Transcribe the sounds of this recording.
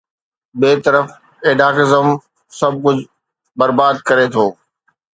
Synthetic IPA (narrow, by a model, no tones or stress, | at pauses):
beːt̪ɐɾəf | eːɖaːkɪzəm | sɐb̚ʱkʊd͡ʑʱ | bɐɾbaːd̪̚kɐɾet̪ʰoː